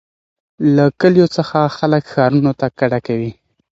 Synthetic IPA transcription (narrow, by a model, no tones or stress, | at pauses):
lakəljot͡səxaxaləkxɑɾunot̪akaɽakawi